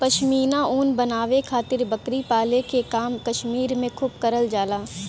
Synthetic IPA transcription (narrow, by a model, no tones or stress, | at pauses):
pɐʃmiːnãuːnbɐnaːʋekʰaːt̪ɪɾbɐkɾipaːlekekaːmkɐʃmiːɾmẽkʰʊːb̚kɐɾəld͡ʒaːlaː